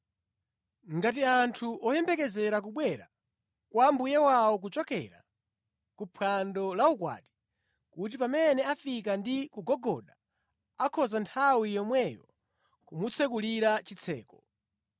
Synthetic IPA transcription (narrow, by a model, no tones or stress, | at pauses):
ŋɡat̬iantʰuʔɔjɛmbɛkɛzɛɾak̬uɓwɛɾa̰ | kwambujɛwaɔk̬ut͡ʃɔkɛ̰ɾa̰ | kupʰwandɔlaukwa̰ːti̥ | kut̬ipamɛnɛafikandikuɡɔɡɔɗa | akʰɔzantʰawijɔmwɛjɔ̰ | kumut͡sʰɛkuliɾat͡ʃit͡sʰɛ̰ːkɔ